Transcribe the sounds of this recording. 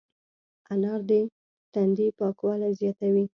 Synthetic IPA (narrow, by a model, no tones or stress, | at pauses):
anɑɾd̪e | t̪and̪ipɑkwɑlajzjɑt̪awi